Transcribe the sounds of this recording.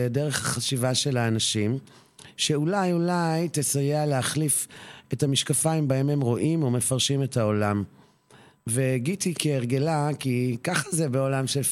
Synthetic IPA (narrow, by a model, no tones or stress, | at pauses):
deʁe̞χhaχaʃivaʃe̞laːnaʃim | ʃe̞ulajulajtesajeealeaχlife̞tamiʃkafaimbaemhemʁo̞ʔimome̞faʁʃime̞tao̞lam | veɡitikeːʁɡe̞lakikaχazebeo̞lamʃel